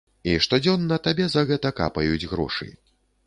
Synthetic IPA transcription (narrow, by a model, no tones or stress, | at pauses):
iʂt̪ɔd͡zʲɔnːɐt̪abʲɛzɐɣɛt̪ɐka̰pɐjud͡zʲɣɾɔ̰ʂɨ̰